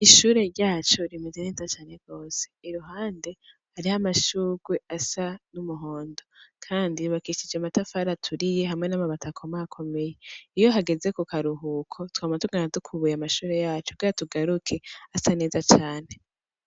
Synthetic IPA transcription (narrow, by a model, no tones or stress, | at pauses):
iʃuːɾe̞ɾɟaːt͡ʃoɾimezene̞ːzat͡ʃaːne̞ɡ̥o̞ːse̥iɾuɦaːnde̞ | haɾihamaʃuːɡwe̞asanumuɦo̞ːndo̞kʰaːndiβakiʃid͡ʒamatafaɾatʰuɾije̞ɦamŋe̞namaβatakʰo̞maːkʰo̞me̞je̞ijo̞ɦaɡe̞ze̞kukʰaɾuɦukʰo̞twamatuɡanazukʰuβujamaʃuːɾe̞jaːt͡ʃobɡiːɾatuɡaɾukʰe̞asane̞ːzat͡ʃaːne̞